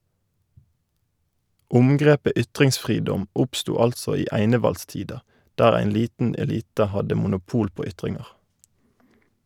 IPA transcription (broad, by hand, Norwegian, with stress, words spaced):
ˈʊmɡʁeːpə ˈʏtʁɪŋsˌfʁiːdɔm ˈʊpstuː ˈɑltsɔ ˈiː ˈæɪnəʋɑlˌstiːdɑ ˈdæːʁ ˈæɪn ˈliːtn ɛˈliːtə ˈhɑdə mʊnʊˈpuːl ˈpoː ˈʏtʁɪŋʁ̩